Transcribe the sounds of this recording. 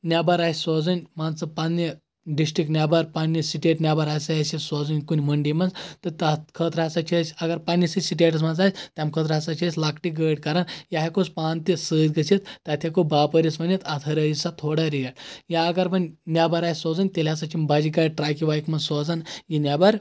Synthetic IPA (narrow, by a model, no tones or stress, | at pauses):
nʲabaɾasʲsɔd͡zənʲmant͡sɐpanːi | ɖisʈɾiknʲabaɾpanːisiʈeʈnʲabaɾasajasisɔd͡zənʲkunʲməɳɖimad͡zt̪ɐt̪akʰət̪ɾasat͡ʃʰiəsʲaɡaɾpanːisisiʈeʈ̬əs̬mand͡zasʲt̪ʲamkʰət̪̬ɾasat͡ʃiəsʲlakʈiɡəɽkaɾanjaɦekospant̪isət̪ɡɐsit̪t̪at̪ʰʲjakobapəɾismɐnit̪at̪ʰəɾəisat̪ʰoɽaɾijaʈjaːɡaɾpɐnnʲabaɾajsʲsɔd͡zənʲt̪elʲasat͡ʃimbad͡ʒikajʈɾajkiʋajikmɐsɔd͡zanjinʲabaɾ